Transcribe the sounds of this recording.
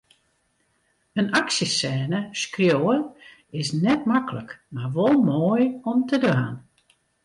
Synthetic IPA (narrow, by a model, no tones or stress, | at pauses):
ənaksjəsɛːnəskrjoːə | ɪsnɛt̚makələkmarʋɔlˠmoːjɔmtədʋaːn